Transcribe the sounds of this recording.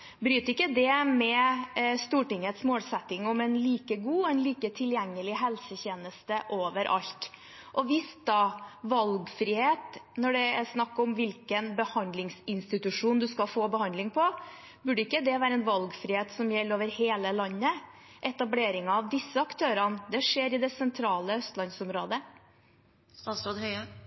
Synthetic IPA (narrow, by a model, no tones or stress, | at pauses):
bɾyːt̪ɪkːəd̪ɛmɛst̪uːʈɪŋːət̪smoːlsɛt̪ːɪŋɔmɛnliːkəɡuːɔɛnliːkət̪ʰɪljɛŋːəlɪɦɛlsəçeːnəst̪əʔoːʋəɾʔɑ̰ʎt̪ | ʔɔʋɪsd̪ɑːʋɑlɡfɾiːheːt̪nɔɖɛɛsnɑkːɔmʋɪlkənbəhɑnd̪lɪŋsɪnst̪ɪt̪ʉʂuːnd̪ʉskɑfoːbəhɑnd̪lɪŋpʰɔ | bʉɖəɪkːəd̪ɛʋæːɾəɛnʋɑlɡfɾɪheːt̪sɔmjɛlːoːʋəɾheːləlɑnːə | ʔɛt̪ɑbleːɾɪŋɑːʋd̪ɪsːəɑkt̪ʰøːɾɑnd̪ɛʂeːɾɪd̪ɛsɛnt̪ʰɾɑːləœst̪lɑnsɔmɾoːd̪ə | st̪ɑːsɾoːd̪hœʏə